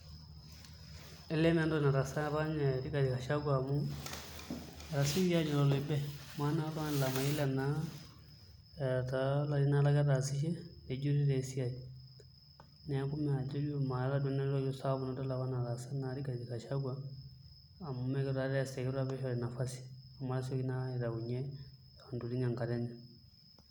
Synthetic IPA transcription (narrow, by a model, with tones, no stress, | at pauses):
ɛ˦lɛ˦nɛ˦ndɔ˦na˨ɾa˨sa˦βa˦ɲɛ˨ɾi˦ka˨di˨ka˨ʃa˦ɡwa˨mu˦˨ | ɾa˨si˦a˦d͡ʒɛ˨lɔ˦lɔ˨bɛ˦ma˦na˦la˦n˨la˨ma˨jɛ˦la˨na˦ | ta˨la˨ɾi˦na˦la˦ɡa˦ta˨si˦ʃ̬ɛ˦nɛ˨d͡ʒu˦ɾi˦ɾɛ˨˦si˦a˨d͡ʒ | nɛ˨˦ku˦mɛ˨a˨d͡ʒo˦li˦o˦ma˨˦ɾa˦dɔ˦nɛ˦ɾɔ˦jɔ˦sa˦bu˨na˨da˦la˨βa˦na˨ɾa˨sa˦na˨ɾi˦ka˨ɡi˨ka˨ʃa˦ɡwaː˦˨ | mu˦mɛ˦kɛ˦ɾa˦ɾɛ˦˨sɛ˨kɛ˦ɾa˦βɛ˦ʃɔ˨ɾɛ˨na˨fa˦si̥˨a˨ma˨ɾa˦sɔ˦ki˦na˦i˨ɾa˨u˨ɲɛ˦ | ta˨ndu˨ɾi˦ŋa˨ŋka˨ɾɛ˦nɛ˨